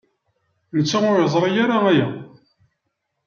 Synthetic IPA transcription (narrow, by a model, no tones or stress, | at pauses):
nət͡sːaʊɾjəzˤɾˤijaɾaæja̰